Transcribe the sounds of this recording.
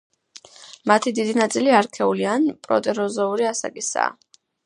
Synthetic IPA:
mat̪ʰid̪id̪inat̪sʼiliaɾkʰɛulianpʼɾɔ̰t̪ʼɛɾɔzɔuɾiasa̰kʼisa̰ː

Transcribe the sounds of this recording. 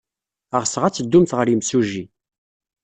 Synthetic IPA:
əʁəsəʁæt͡sːəd̪ːumθʁəɾimsuʒi

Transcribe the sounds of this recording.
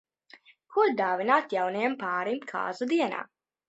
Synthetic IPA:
kʰuɾd̪aːvinaːt̪jawnajampaːɾimkʰa̰ːzud̪iɛna̰ː

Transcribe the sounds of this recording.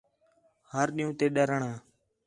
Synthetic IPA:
həɾɗĩːũːt̪eːɗəɾəɳaː

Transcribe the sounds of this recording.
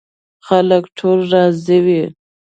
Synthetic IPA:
xaləkʈʰolɾɑziwi

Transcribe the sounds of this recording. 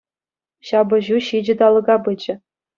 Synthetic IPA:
ɕɑbɤ̆ʑuɕid͡ʑɘ̆d̪ɑlˠɤ̆ɡɑbɯd͡ʑɘ̆

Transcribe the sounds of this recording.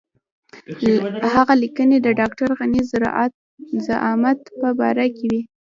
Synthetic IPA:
haɣalikəned̪əɖɑk̚ʈaɾɣanizɾ̰ | zaʔɑmad̪pəbɑ̰ɾakewi

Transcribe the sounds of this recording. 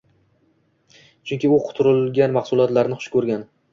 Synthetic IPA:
t͡ʃʰʊŋkʲɪʊqʰʊ̥t̪ʰʊɾɪlɡʲanmɑχsʊlˠɒt̪laɾnɪχʊ̥ʃkʰɵɾɡʲan

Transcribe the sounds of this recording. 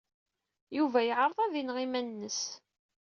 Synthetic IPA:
juvæjəʕəɾˤðˤæðinʁimænnːəs

